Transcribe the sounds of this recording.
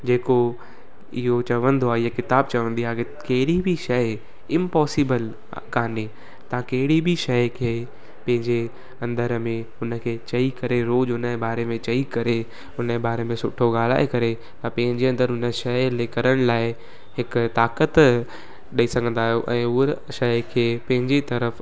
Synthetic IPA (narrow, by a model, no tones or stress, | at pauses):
d͡ʑeːko | ɪɦot͡ɕɐʋə̃nd̪oaɪɦakɪt̪aːb̚t͡ɕɐʋə̃nd̪iaːke | kɐɦɪɽibʱiʃɐ | ɪ̃mpɔːsiːbəl | kaːni | t̪ɐ̤ãkɐɦɪɽibʱiʃɐkʰeː | pɐ̃ɦɪ̃ɲd͡ʑe | ɐ̃nd̪əɾmẽ | ʊnə̆kʰeːt͡ɕɐikɐɾeɾoːd͡ʒʊnəbaːɾemẽt͡ɕɐikɐɾe | ʊnəbaːɾemẽsʊʈʰoɡaːl̤a̰ːekɐɾe | t̪ɐpɐ̃ɦɪ̃ɲd͡ʑeɐ̃nd̪əɾɦʊnəʃɐɪleːkəɾəɽ̃laːɪ | hɪkt̪aːkət̪ | ɗɐisɐɡʱə̃nd̪aːɦijoʔɛ̃ːʊ | ʃɐɪkʰeːpɐ̃ɦɪ̃ɲd͡ʑet̪ɐɾəf